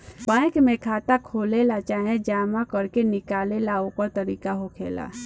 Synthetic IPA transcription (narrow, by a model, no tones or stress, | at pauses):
bãkmẽkʰaːt̪akʰoːlelat͡ʃaɦẽd͡ʒaːmakəɾkenɪkaːlelaokəɾt̪əɾikaɦokʰḛla̰